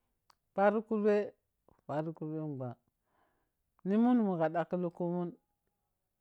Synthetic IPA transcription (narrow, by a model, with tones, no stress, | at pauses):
pa˦ɾu˦ku˦lwe˦˨ | pa˨ɾu˦ku˦lwe˦˨ɡ͡ba˨ | ni˦mu˦n˨mu˨ɣa˨ɗa˨ki˦lu˦ku˦mu˦n